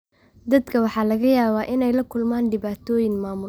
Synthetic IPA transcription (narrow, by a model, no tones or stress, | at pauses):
d̪ɐd̪kʰɐwɑħɑːlɐɣɐjaːβaːʔɪnɛjlɐkʰʊlmaːnɖɪβaːt̪ʰɔːjɪŋmaːmʊ